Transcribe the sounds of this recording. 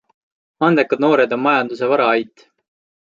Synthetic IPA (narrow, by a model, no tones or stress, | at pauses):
ɑnd̪ekːɑd̪no̞ːɾe̞d̪o̞mmɑjɑnd̪use̞vɑɾɑɑjt̪ːˑ